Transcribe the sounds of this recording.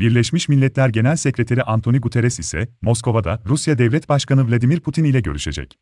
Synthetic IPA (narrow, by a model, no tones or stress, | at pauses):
biɾlʲɛʃmiʃmilʲːɛt̪lʲæɾɟe̞nælʲsecɾet̪ʰeɾiʔant̪ʰo̞niɡut̪ʰe̞ɾɛsisɛ̰mo̞skʰo̞vad̪a̰ɾusjad̪ɛvlʲɛt̪baʃkanɯvlʲˠad̪imiɾpʰut̪ʰinilʲɛɟø̞̰ɾyʃe̞̰d͡ʒɛ̰c